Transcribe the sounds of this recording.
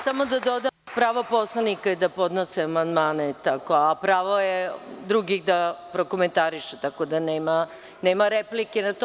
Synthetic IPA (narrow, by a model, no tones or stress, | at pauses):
samo̞d̪ad̪od̪apɾaʋopo̞slˠanikaid̪apo̞d̪noseamand̪maːnet̪akoapɾaːʋojed̪ɾuɡiɣd̪apɾokoment̪aɾiʃet̪akod̪aneːma | neːmaɾeplikenat̪o